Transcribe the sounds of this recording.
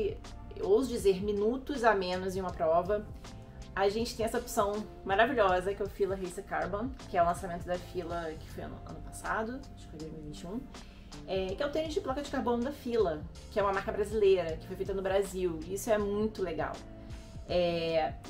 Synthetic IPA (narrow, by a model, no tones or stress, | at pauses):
owzʊd͡ʒizeɾminut̪ʊzamẽnʊzɪ̃ũmɐpɾɔvɐ | aʒẽnt͡ʃɪt̪ẽj̃ɛsɐopsɐ̃w̃ | maɾaviʎɔzɐkɛʊfilɐɦejsɐkaɾbɐ̃kɪɛʊlɐ̃samẽnt̪ʊd̪ɐfilɐkɪ̥fojɐ̰̃nɐ̰̃nʊpasad̪ʊ | d͡ʒɪ̥fojd̪ojzmiwivĩt͡ʃiũ | ɛkɪɛwʊt̪ẽɲʊd͡ʒɪplɔkɐd͡ʒɪkaɾbõnʊd̪ɐfilɐ | kɪɛũmɐmaɾkɐbɾazilejɾɐkɪ̥fojfejt̪ɐnʊbɾaziwiisʊɛmũj̃t̪ʊleɡa̰w | ɛ